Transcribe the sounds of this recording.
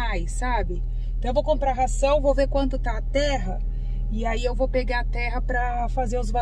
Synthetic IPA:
ajsːabɪ̃ | t̪ɐ̃w̃ẽvowkõmpɾaɦasɐ̃w̃vowveɾkwɐ̃nd̪ʊt̪aɐt̪ɛɦɐ | iaiewvowpeɡaɐt̪ɛɦɐpɾɐ | fazeɾʊzva

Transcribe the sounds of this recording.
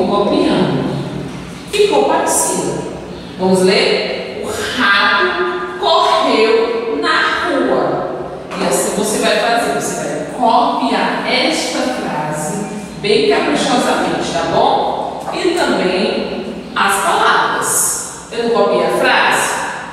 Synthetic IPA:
kopiɐ̃d̪ʊ | fikowpat͡ʃsĩnɐ | vɐ̃mʊzleɾʊhabʊkohewnɐhuɐ | iasvosevajfazeɾvosevajkopiaɾɛst̪ɐfɾazɪ | bẽj̃kapɾiʃɔzɐmẽnt͡ʃɪ̥t̪abõw̃ɪt̪ɐ̃mbẽj̃ | ɐspalavɾɐs | ewnũkopiaafɾazɪ

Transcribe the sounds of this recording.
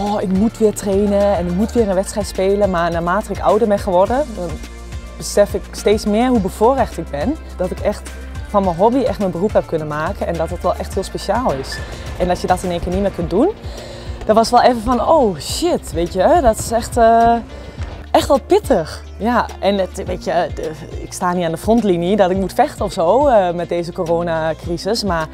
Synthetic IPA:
ɔɪkmutʋɪətreːnəɛnɪk̚mutʋɪːəɾənʋɛtsrɛjtspeːləmarnaːmaːtəɪkɔ̰wdəɹbɛnxəʋɔrdədɔn | bəsɛfɪksteːsmɪərɦubəfoərɛxtɪk̚bɪn | d̥ɔtɪkɛxt | fɔnməɦobiɛxtmənbəruphɛp̚kʰønəmaːkənɛndɔtətʋɛlˠʔɛxthɪəlˠspesjaːlˠɪs | ʔɛndɔsjədɔtɪneːnkɪːnitmɪːkøntdun | d̥ɔnʋɔsʋɛlˠɛvəfɔnoːʃɪtʋeːtjədɔtɪ̥sɛxtə | ʔɛxtʋɔlˠpɪtʰəx | jaʔɛnəʋeːtjə | ɪkstaːnitandəfrontlinjədɔtɪk̚mutfɛxtənɔfsoːəmɛt̚deːzəkoroːnakrisəsmar

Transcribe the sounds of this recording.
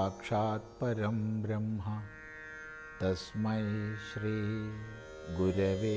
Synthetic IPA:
aːkʂaːt̪̚pɐɾɐmbɾɐmɦɐ | t̪ɐsmɐjʃɾiː | ɡuɾɐʋeː

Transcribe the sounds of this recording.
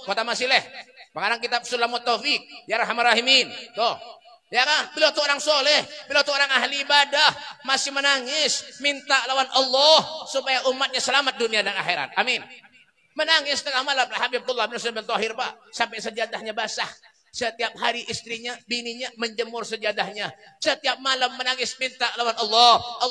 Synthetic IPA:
kot̪amasɪlɛhpəkaɾaŋkit̪ap̚sulːamat̪ːofik̚jaɾaɦamirːaɦimint̪ʊh | jakabilawt̪uoɾaŋsolɛhbilat̪uoɾaŋaɦliːbadahmasɪhmənaŋɪsmint̪aʔlawanʔɑlːɔhsupajaʔumːat̪̚ɲasəlamat̪̚duniadana̰xiɾa̰t̪̚amɪn | mənaŋɪst̪əŋamalamhabib̚t̪ɔlːabinasabɪnt̪ɔɦɪrpa̰ʔsampajsəd͡ʒat̪ahɲabasah | sət̪iap̚haɾiʔist̪ɾiɲabiniɲaməɲd͡ʒəmʊrsəd͡ʒad̪ahɲasət̪iap̚malamːənaŋɪsmint̪alawanɑlːɔh

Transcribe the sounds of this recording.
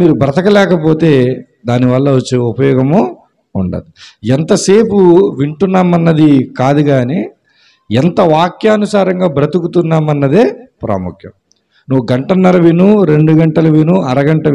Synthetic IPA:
miːɾubɾɐt̪ɐkɐlɛːkɐpo̞ːt̪e̞ː | d̪aːniʋɐlːɐʋot͡ʃːeːupɐjɔːɡɐmo | uɳɖɐ̰ːd̪iɛnt̪ɐse̞ːpuʋiɳʈunːaːmɐnːɐd̪ikaːd̪uɡaːneː | ɛnt̪ɐʋaːkjaɐnusaːɾɐŋɡaːbɾɐt̪ukut̪unːaːmɐnːɐd̪eːpɾa̰ːmukʰjɐm | nuʋuɡɐɳʈɐnːɐlɐʋinuɾe̞ɳɖuɡɐɳʈɐlɐʋinuɐɾɐɡɐɳʈɐ

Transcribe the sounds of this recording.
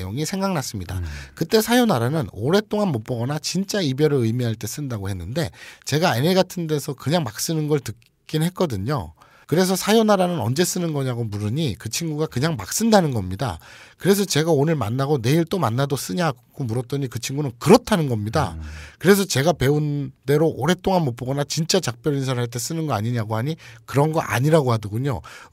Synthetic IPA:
jo̰ŋisʰe̞ŋɡaŋnas͈ɯmɲida̰kɯt͈e̞sʰajonaɾanɯnoɾe̞t͈oŋanmok̚p͈ʌɡʌnat͡ɕint͡ɕ͈aibjʌɾɯɭɯjmiɦaɭt͈e̞s͈ɯndaɡohe̞nːɯnde̞t͡ɕe̞ɡaeneɡatʰɯnde̞sʰʌkɯɲaŋmak̚s͈ɯnɯnɡʌɭtɯk̚ | k͈inɦe̞t̚k͈ʌdɯɲo̰ | kɯɾe̞s̬ʰʌsʰajonaɾanɯnʌ̰nd͡ʑe̞s͈ɯnɯnɡʌɲaɡomuɾɯɲikɯt͡ɕʰinɡuɡakɯɲaŋma̰k̚s͈ɯndanɯnɡʌmɲida̰kɯɾe̞s̬ʰʌt͡ɕe̞ɡaonɯɭma̰nːaɡone̞iɭt͈omanːados͈ɯɲakʰomuɾʌt͈̚ʌɲikɯt͡ɕʰiŋɡunɯnkɯɾʌtʰanɯnɡʌmɲida̰kɯɾe̞s̬ʰʌt͡ɕe̞ɡape̞unde̞ɾoʔoɾe̞t͈oŋanmʌp͈oɡʌnat͡ɕint͡ɕ͈at͡ɕak̚p͈jʌɾinsʰʌɭɦaɭt̬͈e̞s͈ɯnɯnɡʌaɲiɲaɡohaɲikɯɾʌnɡʌʔa̰ɲiɾaɡohadɯɡuɲo̰

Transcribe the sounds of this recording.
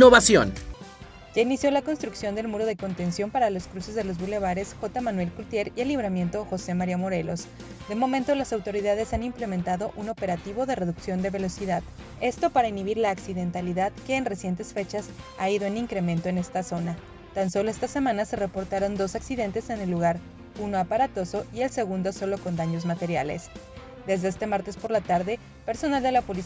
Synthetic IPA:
oβasjo̰n | ʝainisjo̞lako̞nst̪ɾuksjo̞nd̪e̞lmuɾo̞ð̞e̞ko̞nt̪e̞nsjo̞mpaɾalo̞skɾuse̞zðe̞lo̞zβule̞β̞aɾe̞sxo̞t̪amanwe̞lkult̪je̞ɾielːiβɾamje̞nt̪o̞xo̞se̞maɾiamo̞ɾe̞lo̞s | d̪e̞mo̞mẽnt̪o̞lasawt̪o̞ɾiðað̞e̞sanimple̞mẽnt̪aðo̞ʔuno̞peɾat̪iβ̞o̞ðe̞re̞ðuksjo̞nd̪e̞βe̞lo̞siðað | e̞st̪o̞paɾainiβiɾlaːksiðe̞nt̪aliðaðke̞ːnre̞sje̞nt̪e̞sfe̞t͡ʃasaiðoeniŋkɾe̞mẽnt̪o̞e̞ne̞st̪aso̞na | t̪anso̞lo̞e̞st̪ase̞mãnase̞re̞po̞ɾt̪aɾo̞nd̪o̞saksiðe̞nt̪e̞se̞nelːuɣaɾ | uno̞apaɾat̪o̞so̞ie̞lse̞ɣund̪o̞so̞lo̞ko̞nd̪aɲo̞zmat̪e̞ɾja̰le̞̰s | d̪e̞zðe̞est̪e̞maɾt̪e̞spo̞ɾlat̪aɾðe̞ | pe̞ɾso̞nald̪e̞lapo̞li

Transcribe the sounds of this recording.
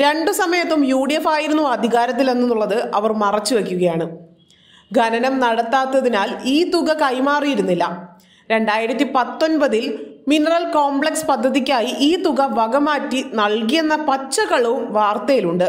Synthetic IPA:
ɾe̞ɳɖɨsɐmɐjɐt̪ːumjuːɽiefaːjiɾunːuɐd̪ʱiɣaːɾɐt̪̬ːile̞nːunːuɭːɐðɨʔɐʋɐrmɐrɐt͡ɕːuʋe̞k̬ʲːuɣɐjaːɳɨ | ɡʱɐnɐnɐmnɐɽɐt̪ːaːt̪ːɐðinaːliːt̪uɣɐkɐjmaːrijiɾunːilːɐ | ɾe̞ɳɖaːjiɾɐt̪ːipɐt̪ːo̞nbɐðilminɐrɐlkoːmbɭe̞kspɐd̪ʱːɐðik̬ʲːaːjiʔiːt̪uɣɐʋɐɡɐmaːtːinɐɭkijenːɐpɐt͡ɕːɐɣɐɭumʋaːrt̪ɐjiluɳɖɨ

